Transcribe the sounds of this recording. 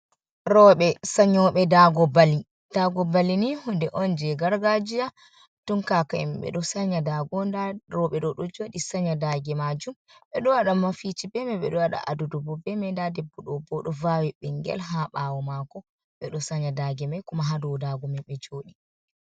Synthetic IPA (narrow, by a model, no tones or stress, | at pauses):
ɾɔɓɛsaɲɔɓɛdaɡɔbali | d̥aɡɔbalinihundɛʔɔnd͡ʒɛɡaɾɡad͡ʒia | tuŋkakaɛ̰mbɛ̰ɗɔsaɲadaɡɔndaɾɔɓɛɗɔɗɔd͡ʒoːɗisaɲadaɡɛmad͡ʒum | ɓɛɗɔwaɗamafit͡ʃibɛmɛɓɛ̰ɗɔaɗa̰ʔa̰dudubɔbɛmɛndadɛbːɔɗɔbɔɗɔvawɛɓɛŋɡɛ̰lɦaɓawɔmakɔ | ɓɛɗɔsaɲadaɡɛmajkɔmaɦadɔwdaɡɔmɛɓɛd͡ʒoːɗi